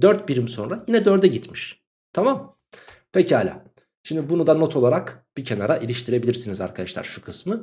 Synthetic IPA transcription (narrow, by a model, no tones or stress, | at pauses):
d̪øɾt̪biɾimso̞nɾajinɛd̪øɾd̪ɛɟit̪miʃ | t̪ʰamam | pʰecihalʲa̰ | ʃimd̪ibunud̪ano̞t̪ʰo̞lˠaɾakb̥icʰe̞naɾaʔilʲiʃt̪ʰiɾe̞bilʲiɾsiniza̰ɾkʰad̪aʃlˠa̰ɾʃukʰɯsmɯ